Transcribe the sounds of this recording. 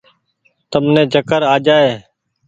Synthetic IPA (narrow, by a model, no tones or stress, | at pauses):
t̪əmnẽːd͡ʒʱəkəɾaːd͡ʒaːeː